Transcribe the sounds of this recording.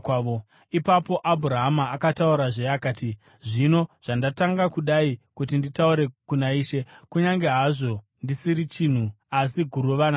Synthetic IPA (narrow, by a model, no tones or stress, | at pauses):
o | ipapo̞ʔabʱuɾaɦamaːkatauɾaʐejakaːti | ʐino̞ʐ̥andataŋɡakuɗaikutinditauɾe̞kunaiːʃe̞kuɲaŋɡe̞ɦaʐo̞ | ndisiɾit͡ʃin̤u | asiɡʱuɾuʋana